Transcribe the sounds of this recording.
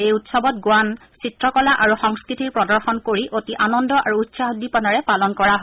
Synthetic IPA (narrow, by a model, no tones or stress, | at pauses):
ejutsɔbɔt̚ɡwan | sitɹɔkɔlaʔaɹuxɔŋskɹitiɹpɹɔdɔɹxɔnkoɹiʔotiʔanɔndɔʔaɹuːtsaɦudːipɔnaɹɛpalɔnkɔɹaɦɔ